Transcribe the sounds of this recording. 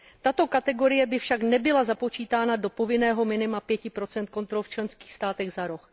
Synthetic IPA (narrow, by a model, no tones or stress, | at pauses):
t̪at̪o̞kat̪ɛɡo̞ɾɪjɛbɪfʃaknɛbɪlazapo̞t͡ʃiːt̪aːnado̞po̞vɪnɛːɦo̞mɪnɪmapjɛcɪpɾo̞t͡sɛnt̪̚ko̞nt̪ɾolft͡ʃlɛnskiːxst̪aːt̪ɛɣzaɾox